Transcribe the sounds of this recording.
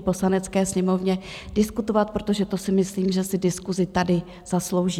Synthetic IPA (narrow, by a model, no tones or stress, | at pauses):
po̞slanɛt͡skɛːsɲɛmo̞vɲɛ | dɪskut̪o̞vat̪̚pɾot̪o̞ʒɛt̪o̞sɪmɪsliːmʒɛsɪdɪskuzɪt̪adɪ | z̥aslo̞wʒiː